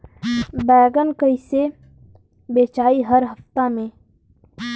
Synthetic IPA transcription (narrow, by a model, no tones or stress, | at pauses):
bɛːɡənkəise | beːt͡ʃaːiɦəɾɦəft̪amẽː